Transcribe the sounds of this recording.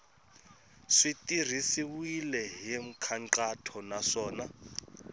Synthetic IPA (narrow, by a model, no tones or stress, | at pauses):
ʂitir̤isiwilɛɦim̩kʰaŋt͡ɬatʰɔnaʂɔːna